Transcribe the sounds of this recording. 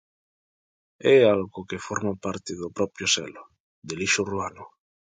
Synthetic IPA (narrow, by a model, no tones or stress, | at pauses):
ɛalɣokefɔɾmapaɾt̪eðopɾɔpɾjosɛ̰lo | d̪eliʃoruano